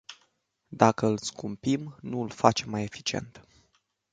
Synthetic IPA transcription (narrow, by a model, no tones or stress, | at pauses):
d̪akəɨlskumpimnuɨlfat͡ʃe̞mːaje̞fi̥t͡ʃie̞̰nt̪